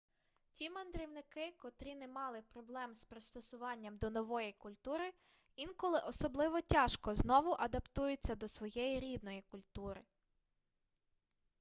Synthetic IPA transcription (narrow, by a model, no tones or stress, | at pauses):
tʲimɐnd̪ɾʲiwnɪkɪkɔt̪ɾʲinɛmɑlˠɪpɾɔblˠɛmspɾɪst̪ɔsʊʋɑnʲːɐmd̪ɔnɔʋɔjikʊlʲt̪uɾɪ | inkɔlˠɪʔɔsɔblˠɪʋɔtʲɑʃkɔznɔʋʊʔɐd̪ɐpt̪ujʊt͡sʲːɐd̪ɔsʋɔjɛjiɾʲid̪nɔjikʊlʲt̪uɾɪ